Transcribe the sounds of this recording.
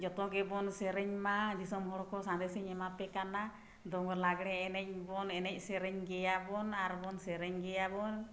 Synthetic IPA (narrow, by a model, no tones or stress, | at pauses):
d͡ʒɔt̪ɔɡɛbɔnsɛɾɛɲmad͡ʒisɔmɦɔɽɔkɔsãnd̪ɛsɛɲɛmapɛkana | d̪ɔŋɡɔɾlaɡɽɛːnɛc̚bɔnɛnɛc̚ˀsɛɾɛɲɡɛjabɔnaɾbɔnsɛɾɛɲɡɛjabɔn